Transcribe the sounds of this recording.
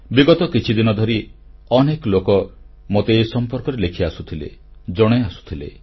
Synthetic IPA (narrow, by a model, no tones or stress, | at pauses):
biɡɔt̪ɔkit͡ʃʰid̪inɔd̪ʱɔɾiɔneklokɔ | mot̪eːsɔmpɔɾkɔɾelekʰiasut̪ʰilḛd͡ʒɔɽ̃easu̥t̪ʰilḛ